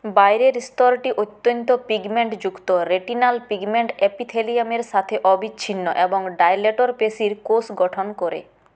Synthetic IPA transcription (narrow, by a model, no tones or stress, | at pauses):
bajɾeɾst̪ɔɾʈiʔot̪ːjont̪opiɡmeɳʈd͡ʑukt̪oɾeʈinalpiɡmeɳʈepit̪ʰelijameɾʃat̪ʰeʔɔbit͡ɕːɕʰinːoʔeboŋɖajleʈoɾpesiɾkosɡɔʈʰonkoɾḛ